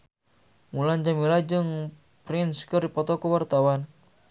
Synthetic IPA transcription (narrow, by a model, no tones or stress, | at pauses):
muland͡ʒamilad͡ʒɨŋ | pɾɪnskərdipɔt̪ɔkəwart̪awan